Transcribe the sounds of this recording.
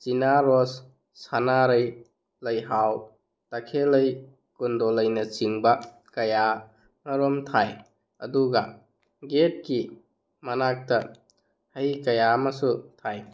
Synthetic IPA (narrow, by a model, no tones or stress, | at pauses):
t͡ʃinaɾɔsː | anaɾɐj | lɐjɦaw | takʰelɐj | kundɔlɐjnɐt͡ʃiŋbɐ | kɐja | ŋɐɾɔmtʰaj | ɐduɡɐ | ɡet̚ki | mɐnak̚tɐ | hɐjkɐjamasutʰaj